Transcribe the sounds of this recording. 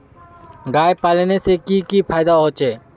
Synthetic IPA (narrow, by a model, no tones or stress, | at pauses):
ɡaːepaːlnesekiːkiːpʰaːɪd̪aɦoːt͡ʃeː